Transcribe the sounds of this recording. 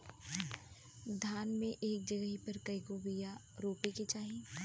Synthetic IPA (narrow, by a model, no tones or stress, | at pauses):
d̪ʱaːnmẽʔeːk̚d͡ʒɐɡəɦipɐɾkɐikobija | ɾoːpeket͡ʃaːɦe